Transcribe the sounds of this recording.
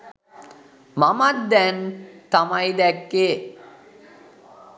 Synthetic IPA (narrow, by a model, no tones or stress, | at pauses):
mamat̪d̪ɛnt̪amajd̪ɛkːeː